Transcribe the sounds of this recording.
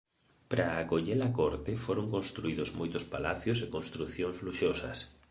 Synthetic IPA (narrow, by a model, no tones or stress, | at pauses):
pɾaːkoʎelakoɾt̪ɪfoɾoŋkonst̪ɾuiðʊzmojt̪ʊspalaθjosekonst̪ɾuθjoŋzluʃosɐ̰s